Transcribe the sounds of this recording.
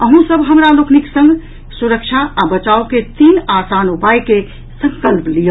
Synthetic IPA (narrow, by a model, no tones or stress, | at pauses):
əɦũsəbɦəmɾalokniksə̃ŋɡʱ | suɾəkt͡ʃʰaːbət͡ʃaoket̪iːnasanupajke | sə̃ŋkəlplijə